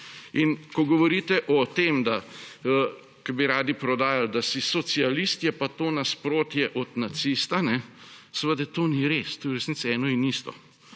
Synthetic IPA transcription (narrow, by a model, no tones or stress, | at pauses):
inkɔɡɔʋɔɾiːt̪ɛʔɔt̪emd̪aə | kɐbiɾaːd̪ipɾɔd̪aːjald̪asisɔt̪sialist̪jɛpat̪oːnaspɾoːt̪jɛʔɔt̪nat̪sist̪anɛsəʋəd̪ɛt̪oniɾest̪uɾɛsnit̪sɛːnɔinist̪ɔ̰